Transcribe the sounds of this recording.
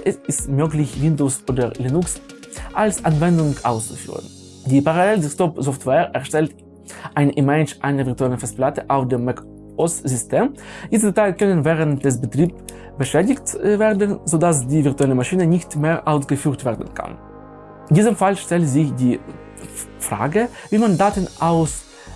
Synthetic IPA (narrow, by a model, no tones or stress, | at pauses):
ʔɛsɪstmøːklɪçv̥ɪndosoːdɐ̰liːnʊks | ʔalsʔanvɛndʊŋkʔa̰ʊst͡su̥fy̰ːʁə̰n | diːpaʁaleldɛstɔpzɔftʰwɛɛɐʃtɛlt | ʔaɪnʔimɛt͡ʃʔaɪnɐvɪɐtuɛlənfɛstplatəʔaʊfd̥eːmːɛk | ʔɔszʏstʰeːmjiːsdtʰaɪlkʰœnənvɛːʁəntd̥ɛs̬bətʁ̥iːp | b̥əʃɛːdɪçtveːɐdənzoːdasd̥iːvɪɐtuɛləmaʃiːnənɪçtmeːɐʔaʊsɡ̥əfyːʁtv̥ɛːɐdən̩kʰa̰n | ɪndiːzəmfalʃtɛltzɪçdiː | fʁ̥a̰ːɡə | viːmandaːtənʔaʊs